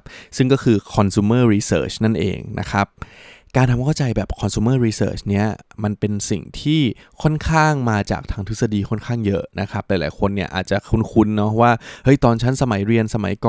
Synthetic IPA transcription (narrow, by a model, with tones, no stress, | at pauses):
sɯ˥˩ŋkɔː˥˩kʰɯː˧kʰɔ˧nsuː˧˦mɤː˥˩ɾiː˧sɤ̰ː˦˩t͡ɕna˥˩nʔḛː˧ŋnʔa̰˦˥kʰa˦˥p̚kaː˧nt̪ʰa˧ŋkʰa˥˩wt͡ɕa˧jbɛː˨˩p̚kʰɔ˧nsuː˧mɤː˥˩ɾiː˧sɤ̰ː˩t͡ɕni˦˥ɐma˧npe˧nsḭ˨˩ŋt̪ʰiː˥˩kʰɔ˥˩nkʰaː˥˩ŋmaː˧t͡ɕa̰ː˨˩k̚t̪ʰaː˧ŋt̪ʰɯ˦˥sa˧diː˧kʰɔ˥˩nkʰaː˥˩ŋjɤ˦˥na˦˥kʰa˦˥p̚laː˨˦jlaː˨˩˦jkʰo˧nːi˥˩ɐʔa̰ː˨˩t̪̚t͡ɕa˨˩ʔkʰu˧nkʰu˧nːɔ˦˥waː˥˩hɤ˦˥˩jt̪ɔː˧nt͡ɕʰa˦˥nsa˧ma˩˦jɾi˧ənsa˧ma̰˩˦jkɔː˨